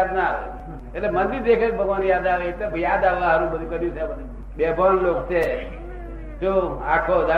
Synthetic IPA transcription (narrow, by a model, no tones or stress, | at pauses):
ad̪naʋḛ | etlemənd̪iɾd̪ekʰek̚bʱəɡʋanjad̪aʋet̪ebjad̪aʋaɦəɾũbəd̪ʱũkəɾjũt͡ʃʰebəd̪ʱu | bɛbʱʋanlokt͡ʃʰe | d͡ʒoakʰod̪a